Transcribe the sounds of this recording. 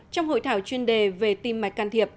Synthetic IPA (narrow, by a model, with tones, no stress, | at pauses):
t͡ɕɔ˧wŋ͡mho̰˧˨jt̪ʰaː˧˩wt͡ɕwi˧ənɗe˨˩ve˨˩t̪i˧mːa˨˩˦j̚kaː˧nt̪ʰi˨˩əp̚